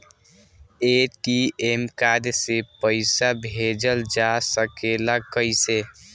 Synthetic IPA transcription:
eʈiemkad̪sepəɪsabʱed͡ʒəld͡ʒasəkelakəɪse

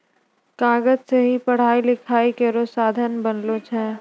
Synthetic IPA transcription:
kaːɡəd͡ʒseɦipɐɽ̤aːilɪkʰaːikeɾosaːd̪ʱənbənlot͡ʃʰɛ̃ː

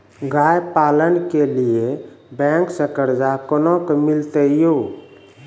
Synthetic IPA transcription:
ɡajpaːlənkelije | bɛ̃ŋksəkəɾd͡ʒakɔnõkmɪlt̪əjo

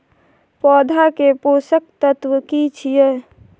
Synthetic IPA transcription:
pɔːd̪ʱakeposək̚t̪ət̪wəkit͡ʃʰijə

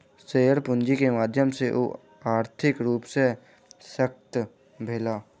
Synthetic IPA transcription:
seːəɾpʊ̃nd͡ʒikemaːd̪ʱjəmseʔo̰ː | aːɾt̪ʰɪkɾuːpse | sək̚t̪ | bʱɪlaː

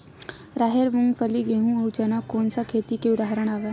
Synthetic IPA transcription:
ɾaːɦeɾmʊ̃ŋfʰəliɡeɦũɐwt͡ʃɐnakoːnsakʰeːt̪ikeʊd̪aːɦɾəɽ̃aːʋeː

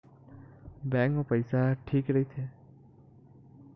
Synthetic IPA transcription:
bɛ̃ŋkmõpəjsaʈʰiːkɾəit͡ʃʰe

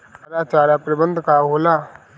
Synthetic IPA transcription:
ɐɾaːt͡ʃaːɾaːpɾɪbənd̪kaːɦoːlaː

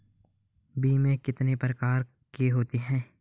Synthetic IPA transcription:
biːmẽkɪt̪nepɾəkaːɾ | keɦoːt̪iɦɛ̃ː

